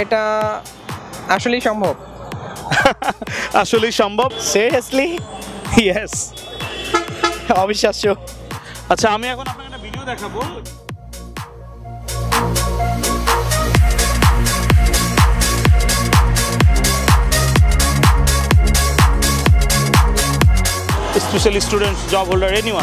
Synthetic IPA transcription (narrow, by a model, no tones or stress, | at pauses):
eʈa | aʃolejʃɔmbʱob | aʃoliʃɔmbʱobsiɾiəsli | jes | ɔbʱiʃːaʃo | atːʃʰaamiɛkʰonapnakenabidiod̪ɛkʰabo | spesalistuɾenʈsd͡ʒɔbɦoldaɹeniwa